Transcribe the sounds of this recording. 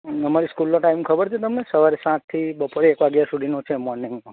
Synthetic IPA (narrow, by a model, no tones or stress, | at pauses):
əmaɾiskulːõʈaimkʰəbəɾt͡ʃʰet̪əmnesəʋaɾesãt̪t̪ʰːibəpoɾeekʋaɡjasuɖ̪ʱinõt͡ʃʰemɔɾniŋɡmã